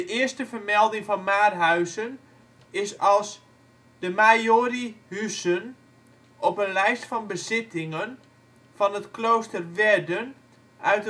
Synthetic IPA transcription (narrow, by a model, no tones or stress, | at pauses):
dəʔɪəstəvərmɛlˠdɪŋfɔnmaːrɦœɥzən | ɪsɑlˠs | dəmajoːrihysən | ʔɔpənlɛjstfɔnbəzɪtɪŋən | fɔnətkloːstərʋɛdən | ʔœɥt